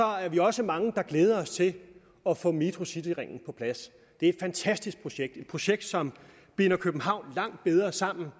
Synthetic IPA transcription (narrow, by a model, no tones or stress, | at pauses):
sɒ̽æɐʋiɒ̽səmɑ̈ŋəd̥ɑ̈ɡ̥leːð̞ˠɐɒ̽st͡sʰe̝l | ɒ̽fɔ̰̽ːmit͡sʁosid̥iʁeŋ̰n̩pʰɒ̽pʰlæs | d̥eæɐe̝d̥fænt͡sʰæsd̥isɡ̚pʰʁo̝ɕeɡ̥̚d̥e̝d̥̚pʰʁo̝ɕeɡ̥̚d̥sɒ̽m | b̥enɐkʰøb̥n̩ɦɑ̈ʊ̰nlɑ̈ŋ̰d̥̚b̥eð̞ˠʁɐsɑ̈m̰n̩